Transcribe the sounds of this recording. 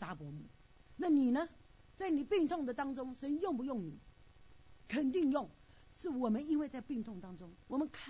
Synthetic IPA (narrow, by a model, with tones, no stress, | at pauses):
t͡sa˥pwɔ˧˥mu˨˥˩ | na˥˩ni˨˩nə˦ | t͡sa˥˩ɪni˨˩pi˥˧ŋt̪ʰʊ˥˩ŋd̪ə˩t̪ɑ˥ŋʈ͡ʂʊ˥ŋʂə˧˥njʊ˥˩ŋp̬u˧˦jʊ˥˩ŋni˨˩˦ | kʰə˨˩nt̪i˥˧ŋjʊ˥˩ŋ | ʂɻ̩˥˩wɔ˨˩mə˦ni˥nwe˥˧ɪt͡sa˥˧ɪpi˥˧ŋt̪ʰʊ˥˩ŋt̪ɑ˥ŋʈ͡ʂʊ˥ŋwɔ˨˩mə˦nkʰa˥˧